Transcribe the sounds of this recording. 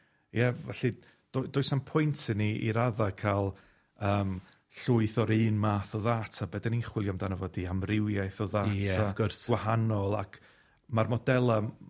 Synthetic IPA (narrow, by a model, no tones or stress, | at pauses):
jɛvɛɬɨ | d̥d̥ʊɨsampʰʊjntʰɪniʔḭɾaðakʰalˠ | əːm | ɬʊɨθɔɾɨːnmaːθɔðaːtʰabɛdaninχwɪlˠjɔmdanəvɔdiamrɪwjajθɔðaːtaɡʊrɡwahanɔlˠakʰ | marmɔdɛlˠa